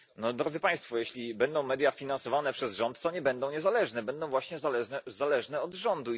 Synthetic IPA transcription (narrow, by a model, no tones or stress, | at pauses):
nɔd̪ɾɔd̪zɘpaj̃st̪fɔjeɕlʲibɛnd̪ɔ̃w̃mɛd̪ʲjafʲinansɔvanɛpʂɛzʐɔnt̪ːɔɲɛbɛnd̪ɔ̃w̃ɲɛzalɛʐnɛbɛnd̪ɔ̃w̃vwaɕɲɛzalɛʐnɛɔd̪ʐɔnd̪u